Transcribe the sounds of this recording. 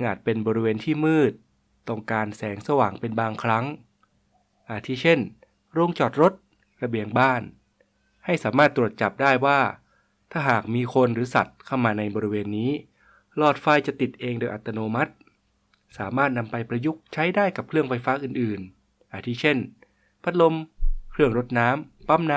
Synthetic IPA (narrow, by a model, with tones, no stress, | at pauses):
ɯ˧ŋʔaː˨˩t̪̚pe˧nbɔː˧ɾi˦˥weː˧nt̪ʰiː˥˩mɯː˥˩t̪̚ː | ɔ˧˩ŋkaː˧nsɛː˩˦ŋsa˧waː˨˩ŋpe˧nbaː˧ŋkʰɾa˦˥ŋ | ʔaː˨˧˩t̪ʰiː˦˧˥t͡ɕʰe˥˩n | ɾo˧ŋt͡ɕɔː˨˩t̪̚ɾo˦˥t̪̚ | ɾa˧bi˧əŋbaː˥˩n | ha˥˩jsaː˩˦maː˥˩t̪ːɾu˨˩ət̪̚t͡ɕa˨˩p̚daː˥˩jwaː˥˩ | t̪ʰaː˥˩ɦaː˨˩k̚miː˧kʰo˧nɾɯː˩˦sa̰˨˩t̪̚kʰa˥˩wmaː˧na˧jbɔː˧ɾi˧˥weː˧nːiː˦˥ | lɔː˨˩t̪̚fa˧jt͡ɕa˨˩t̪i˨˩t̪̚ʔeː˧ŋdoː˧jʔa̰˨˩t̪ːa˧noː˧ma˦˥t̪̚ | saː˩˦maː˥˩t̪̚na˧mpa˧jpɾa˧ju˦˥k̚t͡ɕʰa˦˥jdaː˥˩jka˨˩p̚kʰɾɯ˥˩əŋfa˧jfaː˦˥ʔɯː˨˩nʔɯː˨˩n | ʔaː˧˩t̪ʰiː˦˥t͡ɕʰe˥˩n | pʰa˦˧t̪̚lo˧mkʰɾɯ˥˩əŋɾo˦˥t̪̚naː˦˥mpa˦˥˩mna˦˥